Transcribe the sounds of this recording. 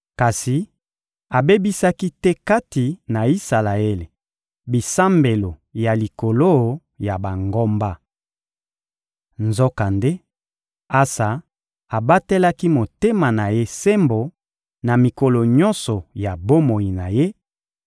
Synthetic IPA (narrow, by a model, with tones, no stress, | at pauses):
ka˨si˨ | a˨be˦bi˦sa˦ki˦tɛ˦ka˦ti˨na˨i˦sa˨la˨e˦le˨ | bi˨sa˦mbe˨lo˨ja˨li˨ko˨lo˦ | ja˨ba˨ŋɡo˦mba˦ | nzo˦ka˨nde˦ | a˦sa˨ | a˨ba˦te˦la˦ki˦mo˨te˦ma˨na˨je˦se˦mbo˨ | na˨mi˨ko˨lo˨ɲɔ˦nsɔ˨ja˨bo˦mo˨ji˨na˨je˦